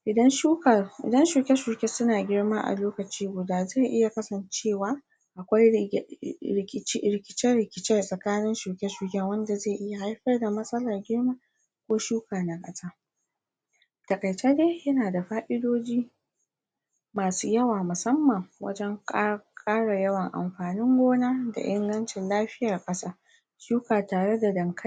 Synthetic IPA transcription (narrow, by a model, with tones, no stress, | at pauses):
ʔɪ˨dɐ˦nʃu˦ka˨ʔɪ̰˨dɐ˦nʃu˨kʲɛ˦ʃu˨kʲe˦sʊ˦naː˨ɡʲɪ˦ɽma˦ʔa̰˨loː˦kɐ˨t͡ʃiː˦ɡʷʊ˨daː˦za˦˨ʔɪ˦ja˨kɐ˦sɐ˨nt͡ʃeː˦˨waː˦ | ʔa˨kʷa˦j | ɪ˨˦ɾɪ˨kʲɪ˦t͡ʃɛ˦ɽɪ˨kʲɪ˦t͡ʃɛ˦˨sʼɐ˨kaː˦nɪ˦nʃu˨kʲɛ˦ʃu˨kʲɛ˦wɐ˦nda˨zeː˦˨ʔɪ˦ja˨ha˦jɸɐ˦rda˨mɐ˦sʼɐ˦lɐ˨rɡʲɪ˦ɽmaː˦ | kʷoː˦ʃuː˦kaː˨na˨kʼɐ˦saː˦ | tɐ˨kʼɐ˨jt͡ʃeː˦deː˦jɐ˦naː˨da˨ɸaː˦ʔɪ˦doː˦d͡ʒiː˦ | maː˨suː˦jɐ˦waː˨mʊ˨sɐ˦mːɐ˨ŋwɐ̰˦d͡ʒɛ˦ŋkʼːkʼaː˦ɽa˨jɐ˦wɐ˨ŋʔa̰˨mɸaː˨nɪ˦ŋɡʷoː˦naː˦da̰˨ʔɪ˦ŋɡɐ˦nt͡ʃɪ˨nlaː˦ɸɪ˦ja˨rkʼɐ˦saː˦ | ʃuː˦kaː˨taː˨ɽe˦da˨dɐ˨ŋkʰɐ˦